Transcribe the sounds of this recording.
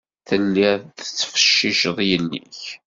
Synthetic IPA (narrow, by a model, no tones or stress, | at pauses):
θənːiɾðət͡sːfə̥ʃːiʃðˤjənːḭç